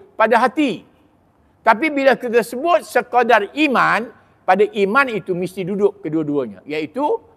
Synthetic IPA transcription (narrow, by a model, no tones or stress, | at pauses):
padaɦat̪i | t̪apibilakit̪̬asəbʊt̪̚səkodariman | padaʔimanit̪umist̪idudʊkːəduaduaɲa̰jait̪u